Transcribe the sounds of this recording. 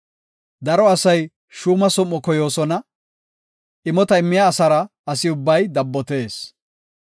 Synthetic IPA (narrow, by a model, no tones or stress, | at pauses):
d̪ɐɾɔɐsɐj | ʃuːmɐsɔmːɔkɔjo̞ːsɔnɐ | ʔɪmɔt̪ɐɪmːɪjaːsɐɾɐʔɐsɪʊbːɐjd̪ɐbːɔt̪e̞ːs